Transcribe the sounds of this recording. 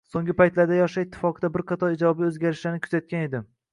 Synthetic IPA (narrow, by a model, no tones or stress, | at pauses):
soŋɡʲɪpajt̪laɾd̪ajɒʃaɪt̪ʰːɪ̥fɒqʰɨd̪abɪɾqʰɑt̪ʰɒɾɪd͡ʒɒbiɵzɡʲaɾɪʃlanɪkʰʊ̥zat̪̚kʲane̞d̪ɪm